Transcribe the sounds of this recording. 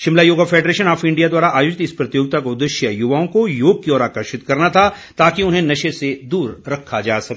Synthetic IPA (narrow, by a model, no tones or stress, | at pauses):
ʃɪmlajoːɡafʰeːɖɾeːʃənaːfɪ̃ɳɖijad̪waːɾaʔaːjoːd͡ʒɪt̪ɪspɾɐt̪joːɡ̚t̪akod̪ɪʃjəjʊʋaːõkojoːɡ̚kiɔːɾaːkəɾʃɪt̪kɐɾnat̪ʰa | t̪aːkiʊnɦẽnɐʃesed̪uːɾɾɐkʰːad͡ʒaːsɐk